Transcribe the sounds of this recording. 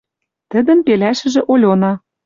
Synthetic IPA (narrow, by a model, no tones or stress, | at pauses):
t̪ə̆d̪ə̆mpelæʃɘ̆ʒĕʔolʲonɑ